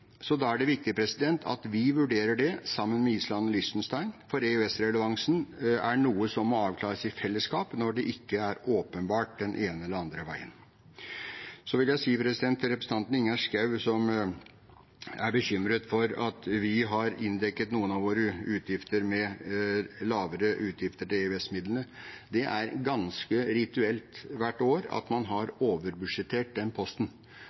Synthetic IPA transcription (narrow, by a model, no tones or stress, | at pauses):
sɔd̪ɑːæɖɛʋɪk̚t̪ɪəpʰɾɛsɪd̪ɛnt̪ʰɑ̰t̪ʋɪʋʉɖeːɾəɖɛsɑmːənmɛiːslɑnːɔlɪst̪nst̪æɪnfɔɾɛøɛsɾɛləʋɑŋsn̩æɳuːəsɔmːɔɑːʋkʰlɑːɾəsɪfɛlːəskɑːpnɔɖɛʔɪkːəæɾoːpənbɑːʈ̚d̪ɛnʔeːnəɛlːəɾɑnd̪ɾəʋæ̰ɪə̰n | sɔʋɪljæɪsiːpʰɾɛsɪd̪ɛnt̪ʰːɪɾɛpɾəsəɑnt̪n̩ɪŋːɑʂkɑʉsɔm | æɾbəɕʏmɾət̪fɔɾɑt̪ʋɪɦɑɾɪnd̪ɛkːət̪nuːənɑʋʋoːɾəʉːt̪ʰjɪft̪əɾmɛ | lɑːʋəɾəʔʉːt̪ʰjɪft̪əʈɪɛʉɛsmɪd̪lənəd̪ɛʔæɾɡɑnskəɾɪt̪ʉɛlt̪ʋæʈːoːɾɑ̰t̪mɑnɦɑɾoːʋəɾbʉʂɛt̪ʰːeːʈ̚d̪ɛnpʰɔst̪n̩